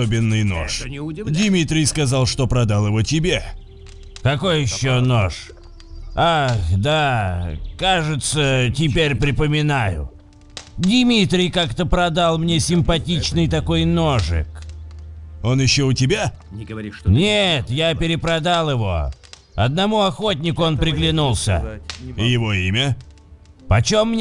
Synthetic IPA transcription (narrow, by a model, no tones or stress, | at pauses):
obʲɪnːɨjno̰ʂdʲɪmʲit̪ɾʲɪjskɐzalˠʂt̪o̞pɾɐd̪alˠjɪvotʲɪbʲe | kɐko̞jɪɕːonoʂ | axd̪a | kaʐɨt̪sətʲɪpʲeɾʲpɾʲɪpəmʲɪnajʊ̰ | dʲɪmʲit̪ɾʲɪjkakt̪əpɾɐd̪alˠmnʲe̞sʲɪmpɐtʲit͡ɕnɨjt̪ɐko̞jnoʐɨ̰k | o̞njɪɕːoʊtʲɪbʲa | nʲet̪japʲɪɾʲɪpɾɐd̪alˠɪvo̞̰ | ɐ̰d̪nɐmuɐxo̞t̬̚ʲnʲɪkʊo̞npɾʲɪɡlʲɪnulˠsʲə̰ɪjɪvo̞imʲə | pɐt͡ɕomːnʲ